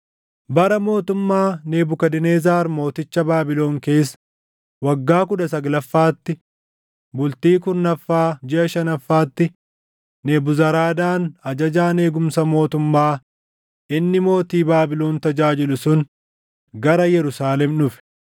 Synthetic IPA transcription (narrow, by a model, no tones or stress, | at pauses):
bɐɾɐmo̞ːt̪ʊmːaːne̞ːbʊkɐd̪ɪneːzaːɾmo̞ːt̪ɪt͡ʃːɐbaːbɪlo̞ːŋke̞ːs | wɐɡːaːk̬ʊᶑɐsɐɡlɐfːaːt̪ːɪ | bʊlt̪iːkʊnːɐfːaːd͡ʒɪʔɐʃɐnɐfːaːt̪ːɪ | neːbʊzɐɾaːd̪aːnɐd͡ʒɐd͡ʒaːne̞ːɡʊmsɐmo̞ːt̪ʊmːaː | ɪnːɪmo̞ːt̪iːbaːbɪloːnt̪ɐd͡ʒaːd͡ʒɪlʊsʊn | ɡɐɾɐjɛɾʊsaːlɛmnʊfɛ̥